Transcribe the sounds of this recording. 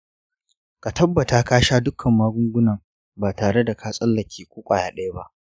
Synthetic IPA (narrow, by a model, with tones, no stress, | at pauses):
ka˨tɐ˦bːɐ˨taː˦kaː˦ʃaː˦dʊ˦kʰɐ˨mːaː˦ɡʷʊ˦ŋɡʷʊ˦nɐ˨ŋ | baː˨taː˨ɽe˦da˨kʰaː˦sʼɐ˦lːɐ˨kʲʰiː˦kʷuː˦kʷʼa̰ː˨jaː˨ɗɐ˦ja˦ba˦ʔ